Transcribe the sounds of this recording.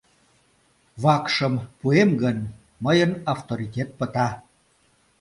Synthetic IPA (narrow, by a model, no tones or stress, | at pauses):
βɑkʃəmpuemɡən | məjənɑft̪oɾit̪ʲet̪̚pət̪ɑ